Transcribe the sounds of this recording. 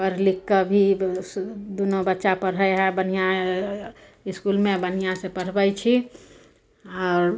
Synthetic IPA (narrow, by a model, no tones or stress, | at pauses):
pəɾlɪkːəbʱi | d̪unobətːʃapəɾɦəeɦɛ̃bən̤ijã | ɪskulmẽbənijãsepəɽ̤bəjt͡ʃʰi | ɔːɾ